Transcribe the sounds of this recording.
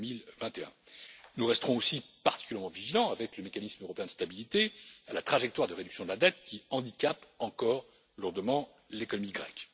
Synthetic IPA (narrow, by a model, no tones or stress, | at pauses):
milvɛ̃t̪eɛ̰̃nuʁɛst̪əʁɔ̃osipaʁt̪i̥kʲyljɛʁmɑ̃viʒilɑ̃avɛkləmekanismøʁɔpeɛ̃d̪əst̪abilit̪ealat̪χaʒɛkt̪waʁd̪əʁed̪yksjɔ̃d̪əlad̪ɛt̪kʲiɑ̃d̪ikʲapɑ̃kɔʁ | luʁd̪əmɑ̃ | lekɔnɔmiɡʁɛ̰k